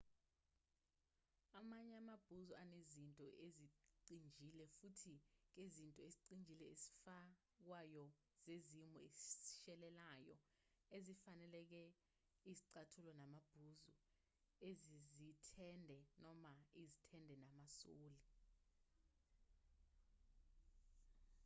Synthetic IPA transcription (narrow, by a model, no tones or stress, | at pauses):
amaɲɛamab̥ʱuzuanezintʼɔʔeziǀind͡ʒʱilɛfutʰik̬ezintʼɔeziǀind͡ʒʱilɛesi̥fa | k̬wajɔ | z̥ezimuesi̥ʃɛlɛlaːjɔ̰ | ezifanɛlɛk̬ɛ | iziǀatʰulɔnamab̥ʱuzṵ | ezizitʰɛndʱɛnɔmaizitʰɛndʱɛnamasoːli